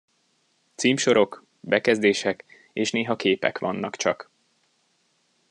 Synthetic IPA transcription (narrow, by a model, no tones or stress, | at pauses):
t̪siːmʃo̞ɾo̞k | bɛkɛzd̪eːʃɛk | eːʃneːɦɒkeːpɛ̰kʋɒnːɒkt͡ʃɒ̰k